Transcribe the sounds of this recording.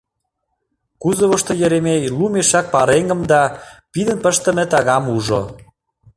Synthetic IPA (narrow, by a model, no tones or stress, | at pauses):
kuzəβə̆ʃt̪ojə̆ɾemejlumeʃɑk̚pɑɾeŋɡə̆md̪ɑpid̪ənpəʃt̪ə̆mĕt̪ɑɣɑmuʒo̰